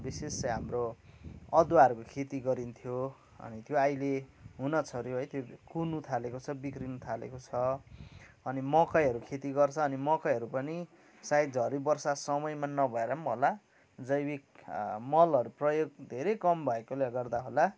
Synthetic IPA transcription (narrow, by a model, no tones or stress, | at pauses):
bisest͡sʌɦamro | ʌd̪waʌɾukokʰet̪iɡʌɾint̪ʰjo | ʌ̰nit̪joajleɦunʌt͡sʰʌɾjoɦʌjt̪ʰjokunut̪ʰalekot͡sʰʌbikrinut̪ʰalḛkot͡sʰʌ | ʌnimʌkajɦʌɾukʰet̪iɡʌrt͡sʰʌːnimʌkajɦʌɾupʌni | saj̪d͡zʱʌɾibʌrsasʌmʌjmanʌbʱʌeɾʌmola | d͡zʌjbik̚mʌlʌɾuprʌjoɡ̚d̪ʱeɾekʌmbʱʌekoleɡʌrd̪aɦola